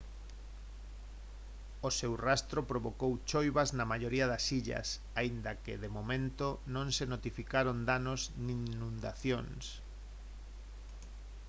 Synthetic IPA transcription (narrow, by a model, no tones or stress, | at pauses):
osewrast̪ɾopɾoβokowt͡ʃojβaznamaʎoɾiaðasiʎɐ̰s | aind̪ɐkeðemomẽnt̪onõŋsenot̪ifikaɾond̪anoznĩnũnd̪a̰θjoŋs